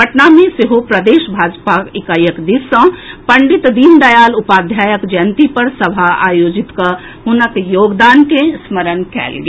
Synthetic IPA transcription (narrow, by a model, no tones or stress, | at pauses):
bəʈnamẽseɦopɾəd̪eːʃbʱad͡ʒpaɪkajəkd̪issə̃pəɳɖit̪d̪ind̪əjaːlupaːd̪ʱjaːjəkd͡ʒənt̪ipəɾsəbʱaa̰ːjoːd͡ʒit̪kə | ɦʊnəkjoːɡd̪aːnkẽsməɾənkɛ̰ːlɡe